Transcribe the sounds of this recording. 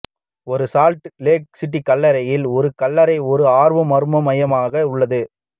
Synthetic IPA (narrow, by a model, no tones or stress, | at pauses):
ɔɾɯsaːlʈleːk̚sɪʈːikɐlːɐɾɐjɪlɔɾɯkɐlːɐɾɐɪɔɾɯaːɾʋɐmɐɾɯmɐmɐjɐmaːɣɐʊɭːɐðɯ